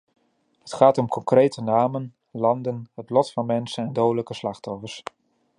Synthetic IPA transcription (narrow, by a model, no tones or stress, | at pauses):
ɦətχaːtɔmkɔŋkrejtənaːmən | lɑndənɦətlɔtfɑnmɛnsənɛndowdələkəslɑχtɔfəɹs